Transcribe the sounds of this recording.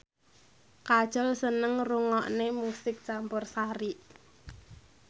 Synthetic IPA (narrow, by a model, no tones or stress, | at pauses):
kḁʒ̥ɔlsənəŋruŋɔʔnemusɪk̚t͡ʃampʊrsaɾiʔ